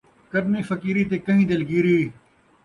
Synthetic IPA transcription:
kɐɾmiːfɐkiːɾiːt̪eːkɐɦĩːd̪ɐlɡiːɾiː

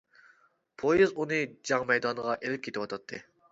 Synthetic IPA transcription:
pʰojizunɨd͡ʒɑŋmɛjd̪ɑnəʁɑʔelɪp̚kʲʰet̪ɪwɑt̪ʰɑt̪ʰːɨ

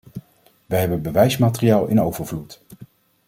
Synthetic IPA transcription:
ʋəɦɛbənbəʋɛjsmaːtəriaːlˠɪ̰nowvəɹvlut

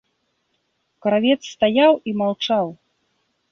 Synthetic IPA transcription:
kɾavʲɛt̪sːt̪ajawimawt͡ʂaw

